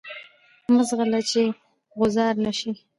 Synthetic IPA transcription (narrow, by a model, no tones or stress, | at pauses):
məzɣalat͡ʃe | ɣʊzɑɾnaʃi